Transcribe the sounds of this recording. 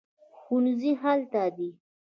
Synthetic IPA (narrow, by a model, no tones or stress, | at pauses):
xunziɦalt̪ad̪i